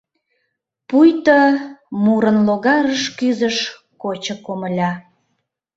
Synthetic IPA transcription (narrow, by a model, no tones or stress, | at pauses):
pujt̪əmuɾənloɣɑɾəʃkyzəʃ | kot͡ɕəkoməlʲɑ